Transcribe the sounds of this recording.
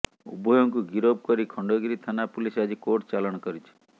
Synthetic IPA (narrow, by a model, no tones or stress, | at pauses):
ṵbʱɔjɔŋkuɡiɾob̚kɔɾikʰɔɳɖɔɡiɾit̪ʰanapulisad͡ʒikoʈt͡ʃalɔɽ̃ɔkɔɾit͡ʃʰi̥